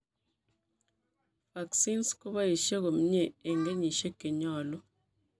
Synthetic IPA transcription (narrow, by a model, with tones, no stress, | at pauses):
ba˨ksi˦nsko˦βa˦i˨ʃe˦ɣo˨m˦ɲe˦˨e˨ŋɡe˦ɲi˨ʃe˦ke˨ɲɔ˦˨lɔ˦